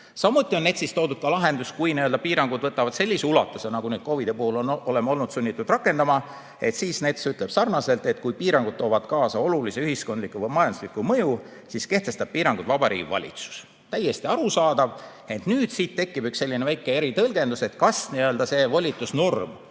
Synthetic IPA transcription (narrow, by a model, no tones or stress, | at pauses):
sɑmːut̪ːˑio̞nːet̪sist̪o̞ːd̪ud̪̥kɑlɑɦe̞nd̪uskujniøld̪ɑpiːɾɑŋɡ̥ud̪̥vɤt̪ːˑɑvɑd̪̥se̞lʲːiseulɑt̪ːˑusenɑɡ̥unyːd̪̥̚ko̞vid̪̥epuhulo̞no̞lemːo̞lnud̪̥sunʲːit̪ːˑud̪rɑkːˑe̞nd̪ɑmɑ | e̞t̪siːsnet̪ːsyt̪ˑleb̥sɑrnɑse̞lt̪ˑe̞t̪kujpiːɾɑŋɡud̪̚t̪oːvɑd̪̥kɑːsɑo̞luliseyhisko̞nd̪likːˑuvɤjmɑjɑnd̪uslikːˑumɤju | siːske̞ht̪e̞st̪ɑb̥̚piːɾɑŋɡud̪̥vɑbɑɾḭːɡivɑ̰lʲḭt̪su̥s | t̪æjːe̞st̪iɑɾusɑːd̪̥ɑv | e̞nt̪ˑnyːd̪̥siːt̪t̪ːe̞kːˑib̥ykselːinevæjkːˑee̞ɾit̪ɤlɡ̥e̞nd̪use̞t̪kɑsniøld̪̥ɑse̞ːvolʲit̪ˑːusnurm